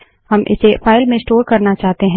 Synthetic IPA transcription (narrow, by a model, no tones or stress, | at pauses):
hɐmʔɪ̰sefaːɪlmẽsʈoːɾkɐɾnat͡ʃaːɦt̪eɦɛ̃